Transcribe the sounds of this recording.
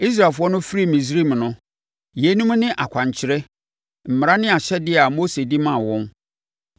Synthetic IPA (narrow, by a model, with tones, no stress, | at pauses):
i˦s̬ɾa˨fʊ˦ɔ˦nʊ̃˦fɾi˦mĩ˨s̬ɾi˦˨m˨nʊ̃˦ | je˨˦nũ˦m˦nɪ̃˦ʔa˨kʷʰã˨ɲ˨t͡ɕʰɪ˨˦ɾɛ˦ | m̩˨m˨ɾa˦nɪ̃˦a˨ɕɛ˦dɪ˦a˨mo˦se˨dɪ˦mã˦˨wɔ̃˦n